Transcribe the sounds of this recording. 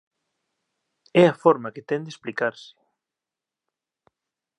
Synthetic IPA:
ɛɐfɔɾmɐkɪt̪ɛnd̪esplikaɾsɪ̥

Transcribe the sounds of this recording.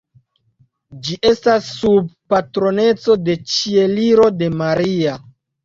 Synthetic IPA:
d͡ʒiʔe̞stasːub̚patɾo̞ne̞t͡so̞de̞t͡ʃie̞liɾo̞de̞maɾia

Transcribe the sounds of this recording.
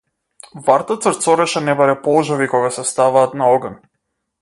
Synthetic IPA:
vaɾt̪at̪səɾt̪sɔɾɛʃɛnɛbaɾɛpɔlˠʒɔvikɔɡasɛst̪avaːt̪naɔɡan

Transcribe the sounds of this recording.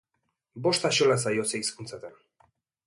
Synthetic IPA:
boʂt̪aɕolas̬ajoseiskunt͡s̪at̪ɛn

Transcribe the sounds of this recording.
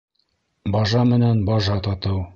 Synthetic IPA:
bɒʒɑmɘ̆nænbɒʒɑt̪ɒt̪ɤw

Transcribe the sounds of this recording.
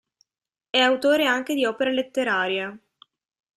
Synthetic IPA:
ɛawt̪oːɾeaŋk̟ed̪iɔːpeɾalet̪ːeɾaːɾja

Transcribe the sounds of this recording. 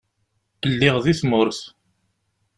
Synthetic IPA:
əlːɪʁðiθmʊɾθ

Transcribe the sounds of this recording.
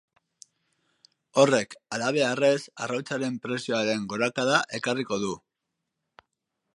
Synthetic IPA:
o̞re̞kalaβ̞e̞are̞sarawt͡saɾe̞mpɾe̞sio̞aɾe̞ŋɡo̞ɾakaðaʔe̞kariko̞ðu

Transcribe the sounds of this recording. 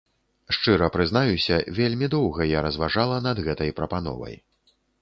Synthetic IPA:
ʂt͡ʂɨɾɐpɾɨznajusʲɐvʲelʲmʲid̪ɔwɣɐjaɾɐzvaʐalˠɐnɐd̪ɣɛt̪ɐjpɾɐpanɔ̰vɐ̰j

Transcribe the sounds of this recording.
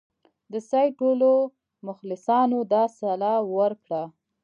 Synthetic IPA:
d̪əsajʈolo | mʊxlɪsɑnod̪ɑsalɑwəɾkɽa

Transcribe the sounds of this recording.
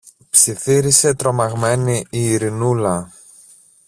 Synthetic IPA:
psiθiɾise̞t̪ɾo̞mɐɣme̞niiːɾinulɐ

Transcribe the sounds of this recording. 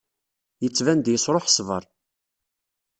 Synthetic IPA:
jət͡sːvænd̪jəsɾˤoħsvə̰ɾˤ

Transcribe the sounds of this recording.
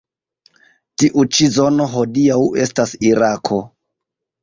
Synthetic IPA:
tiʔut͡ʃizono̞ɦo̞diawe̞stasiɾakʰo̞

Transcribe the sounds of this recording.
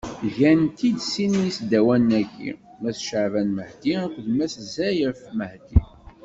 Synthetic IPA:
ʝænt̪id̪sinijisd̪ːæwænːæɡḭ | mæθʃəʕvænməhd̪iækʷðmæszæjəɾfməhd̪i

